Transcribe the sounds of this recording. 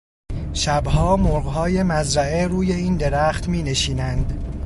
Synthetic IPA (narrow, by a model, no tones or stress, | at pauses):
ʃæbhɒːmoɾɢɦɒːje̞mæzɾæe̞ɾuːje̞iːnd̪e̞ɾæːxt̪miːne̞ʃiːnænd̪